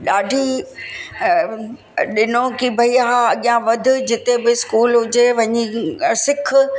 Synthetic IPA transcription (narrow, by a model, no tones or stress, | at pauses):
ɗaːɖʱi | ɗɪnõkibʱɐiaɦaɐɠijãʋɐd̪ʱʊ̆d͡ʑɪt̪ebɪskuːlɦʊd͡ʑeʋɐ̃ɲisɪkʰ